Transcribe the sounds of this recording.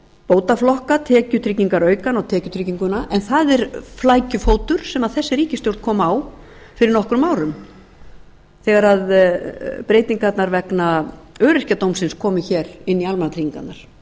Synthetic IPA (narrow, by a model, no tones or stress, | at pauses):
poːwt̪aflɔhkat̪ʰɛːcʏt̪ʰɾiciŋkaɾœːɥkanawt̪ʰɛːcʏt̪ʰɾiciŋkʏnaʔɛnθaðɛɾ̥flaːjcʏfoːwt̪ʏɾ̥sɛmaðθɛsːɪɾiːcɪst̪jowɾt̪kʰɔːmaw | fɪɾɪɾnɔhkɾʏmaːwɾʏm | θɛɣaɾað | pɾeːjt̪iŋkat̪naɾvɛknaœːɾɪr̥cat̪owmsɪnskʰɔːmɪçɛɾɪnːialmanat̪ʰɾiciŋka̰t̪naɾ̥